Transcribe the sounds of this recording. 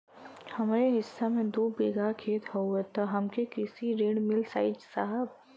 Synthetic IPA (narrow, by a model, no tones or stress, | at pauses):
hɐmːɾeɦɪsːamẽd̪uːbeːɡakʰeːt̪hoet̪ɔɦɐmkekɪsiɾeːɽmɪlsaːɪd͡ʒsaɦəb